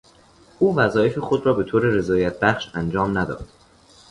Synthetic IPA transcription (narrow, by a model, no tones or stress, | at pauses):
ʔuːvæzɒːjefexod̪rɒːbe̞t̪ʰoːɾe̞ɾe̞zɒːjæt̪̚ʰb̥æχʃænd͡ʒɒːmnæd̪ɒ̰ːd̪̥